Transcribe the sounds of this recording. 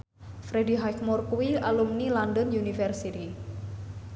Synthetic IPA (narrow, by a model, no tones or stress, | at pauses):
fɾediɦajkmurkuwialumnilandənjunifɛrsit̪i